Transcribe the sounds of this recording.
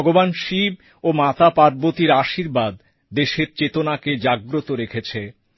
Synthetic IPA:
ɡobanʃib̚ | omat̪apaɾbot̪iɾaʃiɾbad̪ː | eʃeɾt͡ɕet̪onaked͡ʑaɡɾot̪oɾekʰet͡ɕʰe

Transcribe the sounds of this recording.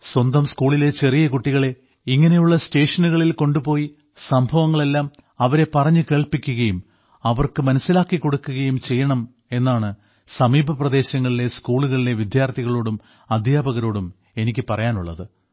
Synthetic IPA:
swɐnd̪ɐmskuːɭile̞t͡ɕe̞rijɐkuʈːiɣɐɭe̞ | iŋːɐne̞juɭːɐste̞ːʂɐnuɣɐɭilko̞ɳɖupo̞ːji | sɐmbʱɐʋɐŋːɐɭe̞lːaːm | ɐʋɐɾe̞pɐrɐɲːɨke̞ːɭpikʲːuɣɐjum | ɐʋɐrkɨmɐnɐsːilaːkːiko̞ɽukːuɣɐjumt͡ɕe̞jːɐɳɐm | e̞nːaːɳɨ | sɐmiːbʱɐprɐd̪e̞ːɕɐŋːɐɭile̞skuːɭuɣɐɭile̞ʋid̪jaːrt̪ʰiɣɐɭo̞ːɽum | ɐd̪ʱjaːbɐɣɐɾo̞ːɽum | e̞nikʲːɨpɐrɐjaːnuɭːɐ̰ðɨ

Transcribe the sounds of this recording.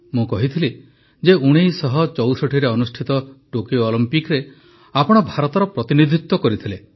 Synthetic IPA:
mũkɔɦit̪ʰili | d͡ʒeuɽ̃ejsɔɦɔt͡ʃɔwsɔʈʰiɾeɔnusʈʰit̪ɔʈokioːlimpikɾe | apɔɽ̃ɔbʱaɾɔt̪ɔɾɔpɾɔt̪inid̪ʱit̪ːwɔkɔɾit̪ʰile

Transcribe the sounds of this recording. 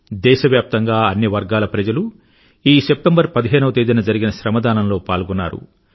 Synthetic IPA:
d̪ɛːʃɐʋjaːp̚t̪ɐŋɡaːɐnːiʋɐɾɡaːlɐpɾɐd͡ʒɐlu | iːsep̚ʈɐmbɐɾpɐd̪iɦeːnɐʋɐt̪eːd̪inɐd͡ʒɐɾiɡinɐʃɾɐmɐd̪aːnɐmlo̞ːpaːlɡunːa̰ːɾṵ

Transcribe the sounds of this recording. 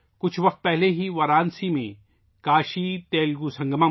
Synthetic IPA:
kʊt͡ʃʰʋɐq̚t̪̚pɛɦleɦiʋɐɾaːnsimẽ | kaːʃit̪eːlɡusɐ̃ŋɡma

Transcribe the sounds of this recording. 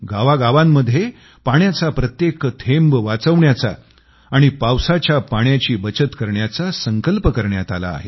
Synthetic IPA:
ɡaʋaɡaʋamːəd̪ʱːje | paɳjat͡sapɾət̪jekt̪ʰembʋat͡səʋɳjat͡sa̰ː | ɽ̃ipawsat͡ɕjapaɳjat͡ɕiːbət͡ɕət̪kəɾɳjat͡sasəŋkəlpəkəɾɳjat̪ala̰ːɦe

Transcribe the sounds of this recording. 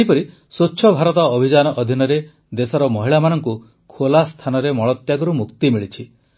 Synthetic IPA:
ɦipɔɾi | soːʃʰɔbʱaɾɔt̪ɔːbʱid͡ʒanɔʔːd̪ʱinɔɾe | d̪esɔɾɔmɔɦiɭamanɔŋku | kʰolast̪ʰanɔɾemɔɭɔt̪jaɡɔɾumukt̪imiɭit͡ʃʰi

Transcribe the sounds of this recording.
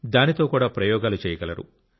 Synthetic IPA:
d̪aːnit̪o̞ːkuːɽaːpɾɐjɔːɡaːlut͡ʃɛːjɐɡɐlɐɾṵ

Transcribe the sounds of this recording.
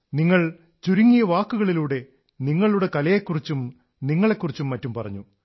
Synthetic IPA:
niŋːɐɭ | t͡ɕuɾuŋːijɐʋaːkːuɣɐɭiluːɽe̞ | niŋːɐɭuɽe̞kɐlɐjekːurit͡ɕːum | niŋːɐɭe̞kːurit͡ɕːumːɐtːumpɐrɐ̰ɲːu

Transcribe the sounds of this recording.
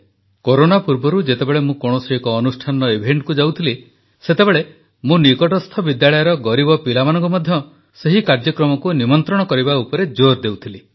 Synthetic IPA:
koɾonapuɾbɔɾud͡ʒet̪ebeɭemũkɔɽ̃ɔsiekɔːnusʈʰanɔebʱeɳʈkud͡ʒawt̪ʰili | set̪ebeɭe | mũnikɔʈɔst̪ʰɔbid̪jaɭɔjɔɾɔɡɔɾibɔpilamanɔŋkumɔd̪ʱjɔ | seɦikaɾd͡ʒɔkɾɔmɔkunimɔnt̪ɾɔɽ̃ɔkɔɾibaupɔɾed͡ʒoɾd̪ewt̪ʰili

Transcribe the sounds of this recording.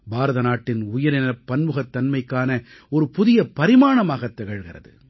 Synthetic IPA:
baːɾɐðɐnaːʈːɪnʊjɐɾɪnɐpːɐnmɯɣɐt̪ːɐnmɐɪkːaːnɐ | ɔɾɯpʊðɪjɐpɐɾɪmaːɳɐmaːɣɐt̪ːɛɣɐɻɣɪrɐðɯ̰

